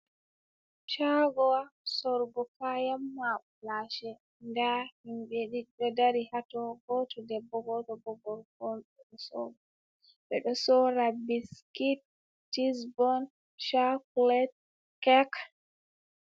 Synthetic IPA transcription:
t͡ʃaɡɔwasɔɾɡɔkajamːaɓ | laʃɛ | ndahinbeɗiɗɛdaɾihatɔɡɔtʰɔdɛbɔɡɔtɔbɔɡɔlfɔnɓɛɗɔsɔ̰ | ɓɛɗɔsɔɾabiskit̚ | tːisbɔn | ʃaklɛt̚ | kɛk

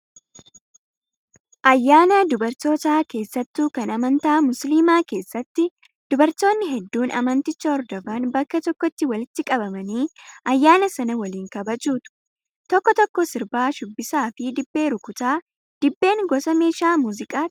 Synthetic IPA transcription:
ʔɐjːaːnɐd̪ʊbɐɾt̪o̞ːt̪aːke̞ːsːɐt̪ːuːkɐnɐmɐnt̪aːmʊsliːmaːke̞ːsːɐt̪ːɪ | d̪̥ʊbɐɾt̪o̞ːnːɪɦɛd̪ːuːnɐmɐnt̪ɪt͡ʃːɐɔɾd̪ɔbaːnbɐkːɐt̪ɔkːɔt̪ːɪwɐlɪt̪ːɪkʼɐbɐmɐniːʔɐjːaːnɐsɐnɐwɐliːŋkɐbɐt͡ʃʼuːt̪ʊ̥ | t̪ɔkːɔt̪ɔkːɔsɪɾbaːʃʊbːɪsaːfɪd̪ɪbːe̞ːɾʊkʊt̪aː | d̪̥ɪbːe̞ːŋɡɔsɐme̞ːʃaːmuːzɪkʼaː

